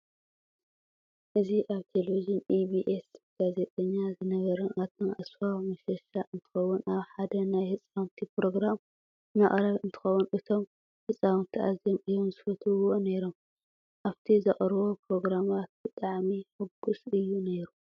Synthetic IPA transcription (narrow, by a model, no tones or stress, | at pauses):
ʔɨziʔaβt̪ʰeleid͡ʒɪnibiʔesɡ̥aze̞t̪ʼɐɲːazɨnɐβɐɾɐʔat̪ɐnʔasfawmɐʃɐʃaʔɨnt̪ʰɨ̥xɐwːʊnaβħad̪ɐnajhɨt͡sʼawnt̪ʰipɾo̞ɡɾam | maχʼɾɐβɨnt̪ʰɨ̥xɐwːunʔɨt̪ʰo̞m | hɨsʼawnt̪ʰiʔa̰zomʔɨjomzɨfɐt̪ʰɨβone̞ɾo̞m | ʔaβt̪ʰizɐχʼɾβo̞pɾo̞ɡɾamat̪̚b̥ɨt̪ʼaʕmiħɨɡːusɨjːune̞ɾu